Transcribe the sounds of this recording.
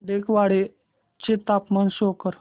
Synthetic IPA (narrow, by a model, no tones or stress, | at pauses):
d̪ekʋaɽe | t͡ɕet̪apmansokəɾ